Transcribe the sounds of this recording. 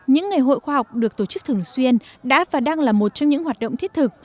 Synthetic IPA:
ɲɨ̰˧˥ŋː˨˩əjɦo̰˧˨jxwaː˧ha˨˩wk͡p̚ɗɨ˨˩ək̚t̪o˨˩t͡ɕɨ˦˥k̚t̪ʰɨ˨˩ə˩ŋswi˧ənɗa̰ː˧˥vaː˨˩ɗaː˧ŋlaː˨˩mo˨˩t̚t͡ɕɔ˧wŋ͡mɲɨ̰˧˥ŋhwaː˨˩t̚ɗo̰˧˨wŋ͡mt̪ʰi˦˥ət̚t̪ʰɨ˨˩k̚

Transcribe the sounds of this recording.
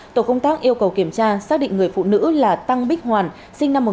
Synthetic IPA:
t̪o˧˩kə˧wŋ͡mt̪aː˦˥k̚ʔi˧əwkə˨˩wki˧˩əmt͡ɕaː˧saː˦˥k̚ɗḭ̈˧˨ŋ̟ŋɨ˨˩əjfṵ˧˨nɨ̰˧˥laː˨˩t̪a˧ŋɓi˦˥k̚hwaː˨˩n | sï˧ŋ̟na˧mːo˨˩

